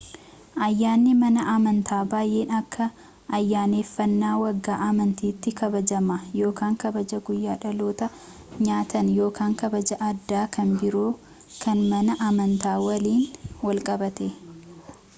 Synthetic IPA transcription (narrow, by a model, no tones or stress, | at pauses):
ʔɐjːaːnːɪmɐnɐʔmɐnt̪ʰaːbaːjʔe̞ːnɐkːɐː | jːaːneːfːɐnːaːwɐɡːaːʔɐmɐnt̪iːt̪ːɪkɐbɐd͡ʒɐmɐjo̞ːkaːŋkɐbɐd͡ʒɐɡʊjːaːᶑɐlo̞ːt̪ɐ | ɲaːt̪ɐnjo̞ːkaːŋkɐbɐd͡ʒɐʔɐd̪ːaːkʰɐnbɪɾoː | kʰɐnmɐnɐʔɐmɐnt̪aːwɐliːnwɐlkʼɐbɐt̪e